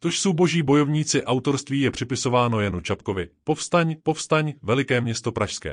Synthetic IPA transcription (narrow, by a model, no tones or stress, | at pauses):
t̪o̞ʃso̞wbo̞ʒiːbo̞jo̞vɲiːt͡sɪʔawt̪o̞ɾst̪viːjɛpr̝̥ɪpɪso̞vaːno̞janut͡ʃapko̞vɪpo̞fst̪aɲpo̞fst̪aɲvɛlɪkɛːmɲɛst̪o̞pɾaʃskɛ̰ː